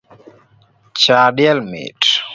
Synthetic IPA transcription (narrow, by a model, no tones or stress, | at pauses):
t͡ʃadjɛlmɪ̰t